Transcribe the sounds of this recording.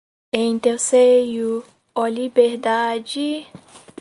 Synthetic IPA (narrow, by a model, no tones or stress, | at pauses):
ẽj̃t̪ewseju | olibeɾd̪ad͡ʒi